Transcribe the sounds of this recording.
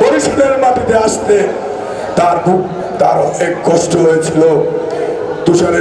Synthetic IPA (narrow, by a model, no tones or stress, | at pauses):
poɾiʃid̪eɾmapit̪eaʃt̪e | t̪aɾbu | t̪aɾɔekkɔʃʈoɦojet͡ɕʰilo | d̪uʃaɾe